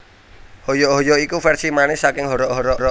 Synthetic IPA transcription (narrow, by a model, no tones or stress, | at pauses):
hojɔɦɔjɔikufɛrsimanɪsakɪŋɦɔɾɔʔɦɔɾɔɾɔ